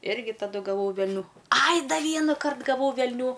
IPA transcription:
ˈɪrʲɡʲɪ tɐˈdʊ ɡɐˈʋɐʊ ʋʲɛlʲˈnʲuː ˈɐj ˈdɐ ˈʋʲiɛnɐkɐrt ɡɐˈʋɐʊ ʋʲɛlʲˈnʲuː

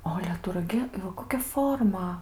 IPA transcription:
oː ˈɑːlʲɛ ˈtʊ rɐˈɡʲɪ ɪ ˈʋɐ ˈkoːkʲɛ ˈfoːrmɐ

